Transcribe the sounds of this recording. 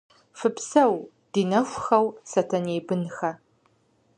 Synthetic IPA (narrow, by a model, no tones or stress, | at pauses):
fɨpsɐw | d̥iːnɐɕʷxɐwsɐtʰɐneːbɨnxɐ